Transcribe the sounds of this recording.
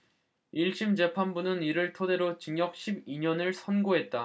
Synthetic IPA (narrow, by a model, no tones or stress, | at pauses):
iɭɕ͈imd͡ʑe̞pʰanbunɯniɾɯɭtʰode̞ɾot͡ɕiŋjʌk̚ɕʰibiɲʌnɯɭsʰʌnɡoɦe̞t̚t͈a